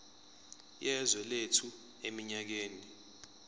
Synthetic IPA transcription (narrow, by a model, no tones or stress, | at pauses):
jɛzwɛletʰu | emiɲak̬eːni